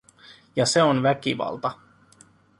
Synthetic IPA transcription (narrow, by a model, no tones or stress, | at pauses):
jɑse̞onʋækiʋɑ̰lt̪ɑ